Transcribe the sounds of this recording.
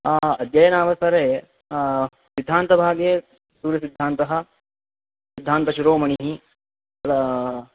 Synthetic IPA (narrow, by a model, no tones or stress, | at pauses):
ɐd̪jɐjɐnaːʋɐsɐɾeː | sid̪ʱːaːnt̪ɐbʱaːɡjeː | suːɾjɐsid̪ʱːaːnt̪ɐɦɐ̆ | sid̪ʱːaːnt̪ɐʃuɾoːmɐɳiɦi | ɐlɐ